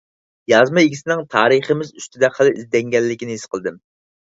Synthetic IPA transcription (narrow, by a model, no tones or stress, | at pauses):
jɑzmɑjiɡʲisɪnɪŋt̪ʰɑːɾɨχəmɪzyst̪ʰɪd̪ɛəlˠɨʔizd̪ɛŋɡʲɛlːɪkʲinɪhisqʰəlˠd̪ɨm